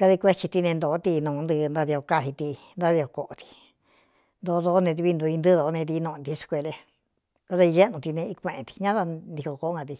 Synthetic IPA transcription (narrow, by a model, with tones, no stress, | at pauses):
ka˧ði˧kʷe˦t͡ʃi˧t̪i˧nẽ˧nd̪o˨˦t̪i˧nũː˨˧nd̪ɨ˧nd̪a˧ði˧o˧ka˧hi˧t̪i˧ | nd̪a˧˦ði˧ko˧ko˧˨ʔo˧t̪i̥˧ | nd̪o˧ðo˧˦nẽ˧t̪̬i˧βi˧nd̪u˧i˧nd̪ɨ˦ðo˧˦nẽ˧t̪i˧nõ˧t̪i˧skʷe˧le˧ | ka˧ða˧i˧ʒe˦nũ˧t̪i˧nẽ˧i˧kʷẽ˧ʔẽ˧t̪i̥˧ɲã˦ða˧nd̪i˧ko˧ko˧o˦ŋɡã˧t̪i˧